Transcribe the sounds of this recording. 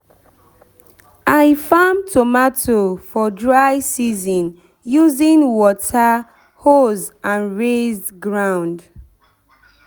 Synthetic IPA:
aɪfãmtʰomatʰofɔdɹaɪsizɔ̃n | juzĩnwɔtʰa | hozãnɹez | ɡɹãʊ̃nd

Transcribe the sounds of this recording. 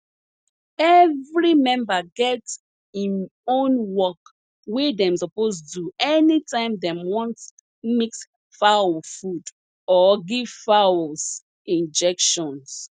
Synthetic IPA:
ɛvɹimɛ̃mbaɡɛt | ĩnõnwɔk | wedɛ̃msɔposduɛnitãɪ̃mdɛ̃mwɔ̃nt | miks | fawfud | ɔɡivfaws | ĩnd͡ʒɛkʃɔ̃ns

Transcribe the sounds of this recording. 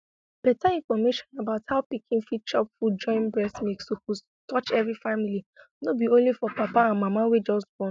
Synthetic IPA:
b̥ɛtaĩnfɔmeʃɔ̃nabaʊthaʊpikʰĩnfit̚t͡ʃɔpfud͡ʒɔ̃ɪ̃nbɹɛsmeksopos | tɔt͡ʃɛvɹifamili | nobiõnlifɔpapaãnmamawed͡ʒɔstbɔn

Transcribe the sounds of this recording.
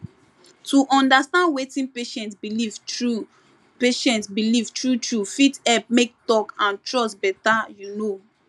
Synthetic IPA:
tuʔɔ̃ndastãndwetĩnpeʃɛ̃ntsbilivɹu | peʃɛ̃ntsbilivtɹutɹufitɛp̚mek̚tɔkãntɹɔsbɛtajuno

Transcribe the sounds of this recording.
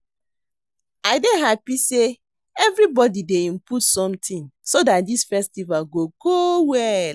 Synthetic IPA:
aɪdeɦapise | ɛvɾibɔdideĩmputsɔ̃mtʰĩnsodat̚disfɛstivalɡoɡowɛl

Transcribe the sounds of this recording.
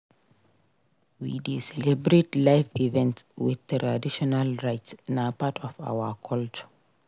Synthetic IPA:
wḭdesɛlɛbɹetlaɪfivɛ̃ntswɪ̰ðtɾadiʃɔnalɹaɪtsnapatʰɔfa̰wakʰɔlt͡ʃɔ̥

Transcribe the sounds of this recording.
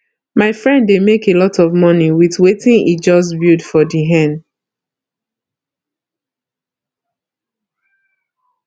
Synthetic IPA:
maɪfɹɛ̃ndːemekelɔtɔvmɔniwiðwetĩnid͡ʒɔs̬budfɔdiɦɛ̃n

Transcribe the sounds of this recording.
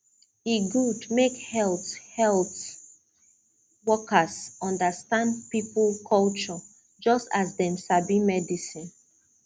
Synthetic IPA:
iɡudmekhɛlˠthɛlt | wɔkʰəsɔ̃ndəstãnd̚piplkʰɔlt͡ʃɔ | d͡ʒɔstazdɛ̃msabĩmɛdisĩn

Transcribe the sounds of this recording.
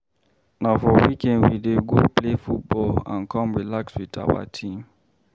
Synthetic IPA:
nafɔwikɛ̃ndwideɡoplefut̚bɔlãnkɔ̃mɹilakswida̰wa̰tʰĩm

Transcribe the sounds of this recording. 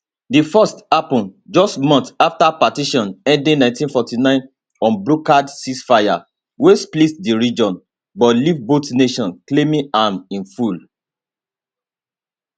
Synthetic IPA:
difɔstapɔ̃nd͡ʒɔstmɔ̃ntaftapatiʃɔ̃nɛ̃ndĩnãɪ̃ntĩnfɔtinãɪ̃n | ɔ̃nbɹukadsisfaja̰ | wesplisdiɹid͡ʒɔ̃n | bɔlivbotneʃɔ̃nklemĩamĩnful

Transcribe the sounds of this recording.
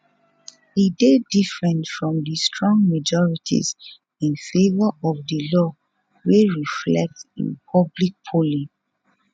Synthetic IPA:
idedifɹɛ̃ntfɹɔ̃mdistɹɔ̃ŋɡmad͡ʒɔɹitʰḭz | ĩnfevɔɔfdəlɔ | weɹiflɛ̰k̚tḭ̃npʰɔblik̚pʰolĩ

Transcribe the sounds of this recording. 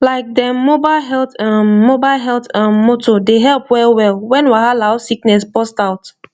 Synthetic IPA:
laɪk̚dɛmobaɪlɦɛltãmobaɪlɦɛltãnmotʰodeɦɛlˠpwɛlwɛlwɛ̃nwahalaʊsiknɛspɔstaʊt

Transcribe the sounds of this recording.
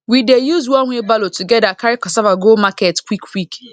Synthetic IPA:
widejuzwɔ̃nŋʷibalotʰuɡɛdakʰaɾɪkɔsavaɡolmaketkʰʷwikwik

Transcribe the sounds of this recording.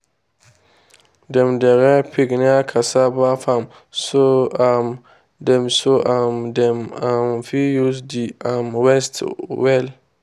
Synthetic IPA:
dɛ̃mdɛɾɛpʰiɡnɪ̃akʰasabafãm | soam | dɛ̃msoʔamdɛ̃mãmfijusdiamwɛstwɛl

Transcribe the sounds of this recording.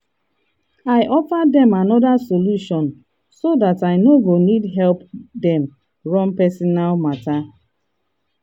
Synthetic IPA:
aɪʔɔfadɛ̃manɔdasoluʃɔ̃n | sodataɪnoɡonidɦɛlpdɛ̃m | ɹɔ̃mpɛsinalmata

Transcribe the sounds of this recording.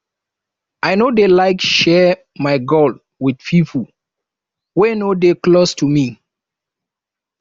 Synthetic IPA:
ajnodelaɪkʃɛ | maɪɡol | wid̥̚pʰifu | wenodeklostʰumi

